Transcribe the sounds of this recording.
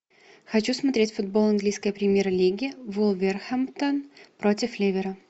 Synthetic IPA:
xɐt͡ɕusmɐt̪ɾʲetʲfʊd̪̚bolˠɐnɡlʲijskəjəpɾʲɪmʲjeɾəlʲiɡʲɪvulˠvʲerxɐmt̪ənpɾʔotʲɪflʲevʲɪɾə

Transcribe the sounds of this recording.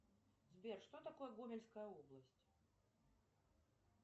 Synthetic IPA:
zʲbʲɛrʂt̪ɔt̪akɔjɐɡumʲɛlʲskɐjɐɔblˠɐsʲt͡sʲ

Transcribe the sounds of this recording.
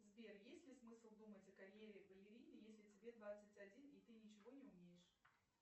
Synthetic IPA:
zbʲerjesʲtʲlʲɪsmɨslˠd̪umətʲɐkɐɾʲjeɾʲɪɡəlʲɪɾʲinʲɪjesʲlʲɪtʲɪbʲe̞d̪vat̪sɨtʲɐdʲinit̪ɨnʲɪt͡ɕɪvo̞nʲɪʊmʲejɪʂ

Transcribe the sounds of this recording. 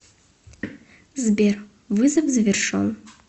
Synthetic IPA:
zber | vɨzɐvzvʲɪrʂo̰n

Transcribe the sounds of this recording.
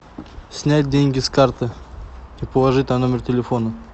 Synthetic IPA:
sʲnʲæt̚ʲdʲenʲɡʲɪskart̪ɨ | ipəlˠɐʐɨtʲnɐno̞mʲɪrtʲɪlʲɪfo̞nə

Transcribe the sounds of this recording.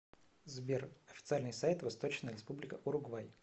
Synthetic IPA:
zbʲerɐfʲɪ̥t̪sɨalʲnɨjsajt̪vɐst̪o̞t͡ɕnəjəɾʲɪspublʲɪkəʔʊɾʊɡvaj

